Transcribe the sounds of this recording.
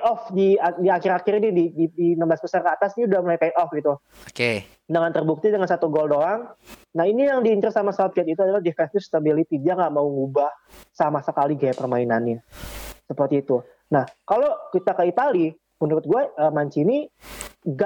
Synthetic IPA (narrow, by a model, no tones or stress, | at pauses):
ɔfdiadiakɪɾakɪɾinidididinəmasbəsarkat̪asɲiudahmulajpat̪ɔfɡit̪u | oke | dəŋant̪ərbuk̚t̪idəŋansat̪uɡɔldolaŋnahinijaŋdiːɲt͡ʃʊrsamasat̪̚kɛt̪it̪uadalahdifɛst̪ist̪abilit̪id͡ʒaŋɡaʔmauŋubahsamasəkaliɡajapərmainanasəpərt̪iːt̪u | nahkalokit̪akait̪ali | mənuɾʊt̪̚ɡuaəːmaɲt͡ʃini | ɡa